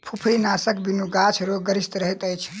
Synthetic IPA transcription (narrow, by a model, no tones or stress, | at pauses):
pʰupʰɾinasəkbinuɡat͡ʃʰɾoɡəɾist̪ɾəɦɛt̪əjt͡ʃʰ